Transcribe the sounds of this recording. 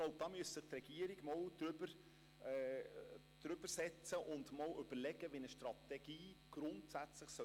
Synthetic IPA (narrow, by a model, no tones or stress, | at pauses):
ɡloʊb̚d̥̪ɑːmyəssɪχt̪rɛɡ̥iəɾiɡ̥mɑwd̥̪ɾʏbəɾ | d̥̪ɾʏb̥əɾsɛt͡səʔʊndmɑːwʏb̥əɾlɛɡ̥əʋinəʃtrɑt̪ɛɡ̥iːɡ̥ɾʊntsæt͡sləχsœ